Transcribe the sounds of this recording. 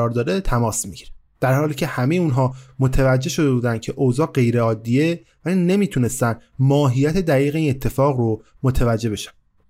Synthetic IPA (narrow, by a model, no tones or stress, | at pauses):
ɒːɾd̪ɒːd̪et̪ʰæmɒːsmiɟiɾe | d̪̥æɾɦɒːliːcʰe̞hæmejeunɦɒːmot̪ʰevæd͡ʒːe̞ʃo̞d̪ebuːd̪ænd̪̥̚cʰe̞ʔozɒːɢe̞jɾeɒːd̪ːije | væliːne̞miːt̪ʰune̞st̪ænd̪mɒːɦijæt̪ʰe̞d̪æɣiːɣeiːne̞t̪ʰːe̞fɒːɣro | mot̪ʰevæd͡ʒːe̞be̞ʃæ̥n